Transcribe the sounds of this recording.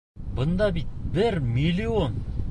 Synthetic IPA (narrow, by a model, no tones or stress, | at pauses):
bənd̪ɑbit̪̚bɪɾmilion